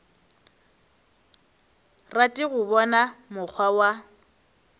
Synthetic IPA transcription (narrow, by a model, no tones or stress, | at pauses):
ratʼɪɣʊbɔnamʊk͡xʰwawa